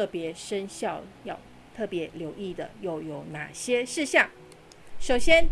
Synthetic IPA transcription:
ɤ˥˩pjɛ˧˥ʂə˥nɕjɑ˥˩ʊjɑ˥˩ʊ | t̪ʰɤ˥˩pjɛ˧˥ljo˧˥ʊi˥˩d̪ə̰˩jo˥˩ʊjo˨˩ʊna˨˩ɕjɛ˥ʂɻ̩˥˧ɕjɑ˥˩ŋ | ʂo˨˩ʊɕjɛ˥n

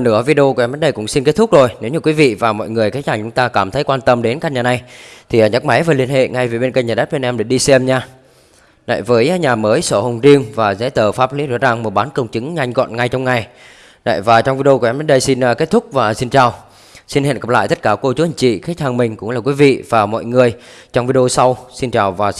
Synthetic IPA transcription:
nɨ̰˧˩əvi˧ɗo˧kʔɛ˧mɗə˨˦nɗə˧jkʊ̰˧˥ŋ͡msi˧nke˦˥t̪̚ʊ˦˥k͡p̚zo˨˩jne˨˦wɲɨ˧kwi˨˦vḭ˧˨vaː˨˩mɔ̰˧˨jŋɨ˨˩əjkaː˨˦˥haː˨˩ŋt͡ɕʊ˨˦ŋ͡mt̪aː˧kaː˧˩mt̪ʰə˨˦jkwaː˧nt̪ə˧mɗe˨˦nka˧˥ɲaː˨˩na˨˧˩jt̪ʰi˨˩əː˨˩ɲə˦˥t̚ma˨˦jvəː˨˦li˧ənhḛ˧˨ŋa˧jve˨˩ɓe˧nkə˧˩ɲaː˨˩ɗə˦˥t̚ɓe˧nʔɛ˧mɗe˧˩ɗi˧sɛ˧mɲaː˧ | na̰˧˨jvəː˨˦jɲaː˨˩məː˨˦jso˧˩hə˨˩wŋ͡mzi˧əŋvaː˨˩zɛ̰˧˥t̪əː˧˩faː˦˥p̚li˨˦zɔ̰˧˥zaː˨˩ŋmo˨˩ɓaː˨˦nkə˧wŋ͡mt͡ɕɨ˨˦ŋɲa˧jŋ̟ɣɔ̰˧˨nŋa˧jt͡ɕɔ˧wŋ͡mŋa˨˩j | na̰˧˨jvaː˨˩t͡ɕɔ˧wŋ͡mvi˧ɗo˧kɛ˧mɗe˨˦nɗə˧jsi˧nː˧ke˦˥t̚t̪ʰʊ˦˥k͡p̚vaː˨˩si˧nt͡ɕaː˨˩w | si˧nhḛ˧˨nkə˨˧˩pla̰ː˧˨t̪ə˦˥t̚kaː˧˩ko˧t͡ɕu˨˦hi˧˩ŋt͡ɕḭ˧˨xaː˨˦˥t̚haː˨˩ŋmï˨˩ŋ̟kʊ̰˧˥ŋ͡mlaː˨˩kwi˨˦vḭ˧˨vaː˨˩mɔ̰˧˨jŋɨ˨˩əj | t͡ɕɔ˧wŋ͡mvi˧ɗo˧sa˧wsi˧nt͡ɕaː˨˩wvaː˨˩

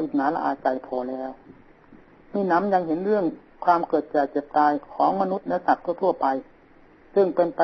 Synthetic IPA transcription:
i˨˧˩t̪̚naː˨˦la̰˧ʔa̰ː˨˩t̪̚t͡ɕa˨˧˩jpʰɔː˧˩lɛː˦˥˩w | miː˧˥˨na˧˥˨mja˧˥ŋɦe˨˦nɾɯ˥˩əŋ | kʰwaː˧mkɤː˨˩t̪̚t͡ɕaː˨˩jt͡ɕe˨˩p̚t̪aː˧jkʰɔː˨˦ŋma˧nu˧˥t̪̚na˧˩jsa˨˩k̚t̪ʰu˧˥˩t̪ʰu˧˥˩ɐpa˧j | sɯ˧˩ŋpe˧np

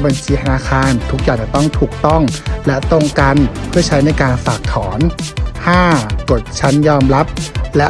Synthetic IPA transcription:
ba˧nt͡ɕʰiː˧t̪ʰa˧naː˧˩kʰaː˧nt̪ʰu˦˥k̚jaː˨˩t͡ɕa˨˩t̪ɔ˥˩ŋt̪ʰuː˨˩k̚t̪ɔ˥˩ŋlɛ˦˥ʔt̪o˥˩ŋka˧npʰɯ˥˩ɐt͡ɕʰa˦˥jna˧˩jkaː˧nfaː˨˩k̚t̪ʰɔː˩˦nhaː˥˩ko˨˩t̪̚t͡ɕʰa˦˥njɔː˧mɾa˦˥p̚lɛ˦˥

